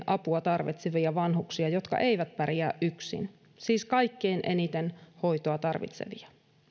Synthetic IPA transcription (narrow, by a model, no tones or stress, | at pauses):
ʔɑpuɑt̪ɑrʋḭt̪seʋiɑʋɑnhuksiɑjo̞t̪kɑ̰ʔe̞jʋæt̪̚pæɾiæːʔʔyksḭn | siːskɑjkːeːnʔenit̪enho̞jt̪oɑt̪ɑrʋḭt̪sḛʋiɑ